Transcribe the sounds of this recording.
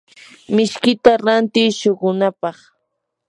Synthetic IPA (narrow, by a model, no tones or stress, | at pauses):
mɪʃkɪt̪aɾant̪ɪjʃoɢʊnapɑχ